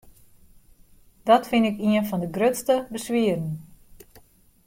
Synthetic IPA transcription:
d̥ɔtfɪnɪkiənfɔndəɡrøtstəbəsʋiərn̩

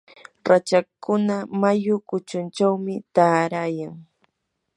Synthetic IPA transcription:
ɾat͡ʃakʊnamajʊkʊt͡ʃʊnt͡ʃawmɪt̪aːɾajaŋ

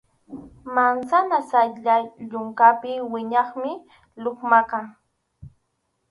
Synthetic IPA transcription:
mansanasaʎaʎʊŋkapɪwɪɲɑχmɪ | loχmakaŋ

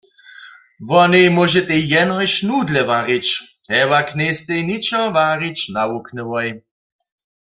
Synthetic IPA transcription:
vɔnejmɔʒɛt̪ɛjɛnɦɔjʃnuːd̪lɛvaːʁit͡ʃhɛwaknejst̪ejnit͡ʃɔvaːʁit͡ʃnauknɛwɔj

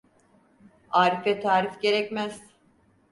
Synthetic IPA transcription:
aːɾifɛt̪ʰaːɾifɟe̞ɾɛcmæz̥

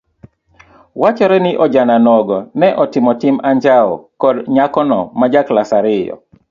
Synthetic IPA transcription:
wat͡ʃɔɾɛnɪʔɔd͡ʒananɔɡɔnɛʔɔtɪmɔtɪmaɲd͡ʒaɔ̰kɔdɲakɔnɔ̰mad͡ʒaklasaɾɪjɔ̰

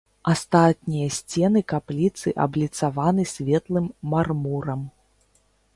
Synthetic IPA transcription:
ast̪at̪̚nʲijɐsʲt͡sʲɛnɨkaplʲit̪sɨʔɐ̰blʲit̪savanɨsʲvʲɛt̪lˠɨmːarmuɾɐm

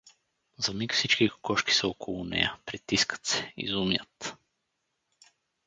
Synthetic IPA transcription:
zɐmikfsit͡ʃkikkɔʃki̥səɔkʰolˠʊnɛ̰jəpɾit̪iskə̥t̪sɛ̥ḭzumjə̰t̪

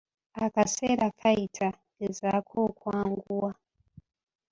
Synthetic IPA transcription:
akaseɾakʰaitʰa | ɡezakʰokwaːŋɡuwa

